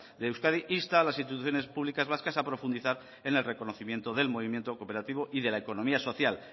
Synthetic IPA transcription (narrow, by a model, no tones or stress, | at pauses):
d̪eːwskað̞iʔist̪alasinst̪it̪uθjone̞spuβlikazβ̞askasapɾo̞fund̪iθaɾ | e̞ne̞lre̞ko̞noθimje̞nt̪oðe̞lmo̞β̞imje̞nt̪o̞ko̞pe̞ɾat̪iβo̞ʔiðe̞laeko̞nõ̞miaso̞θjal